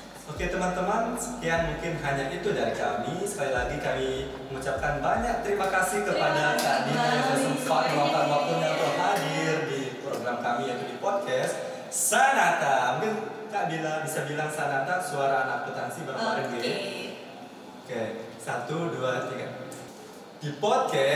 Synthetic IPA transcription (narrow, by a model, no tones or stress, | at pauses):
oket̪əmant̪əmansəkiaŋmuŋkɪnɦaɲaʔit̪udaɾikamisə̥kalilaɡikami | məŋut͡ʃap̚kanbaɲak̚t̪əɾimakasɪhkəpadadaniaat̪əsəmpaʔwapaapapʊnjat̪əlɦadɪrdipɾoɡɾamkamiat̪udipɔd̚kɛst̪ | sanat̪amkɪnkaʔbilaŋbisabilaŋsanat̪asuaɾanak̚pot̪ansibəraaɾəi | okesat̪uduat̪ika̰ | d̥ipɔd̚kɛ